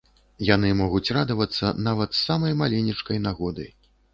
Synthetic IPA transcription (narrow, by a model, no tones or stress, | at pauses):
jan̪ɨmɔɣut͡sʲrad̪ɐvɐt̪sːɐnavɐt̪sːamɐjmalʲinʲit͡ʂkɐjnaɣɔd̪ɐj